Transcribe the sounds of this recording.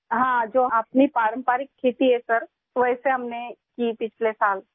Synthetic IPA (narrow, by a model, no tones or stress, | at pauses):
ɦãd͡ʒoːɐpnipaːɾə̃mpaːɾikʰːeːt̪iɦɛsɐɾ | ʋəɪseɦɐmnekiːpɪt͡ʃʰlesaːl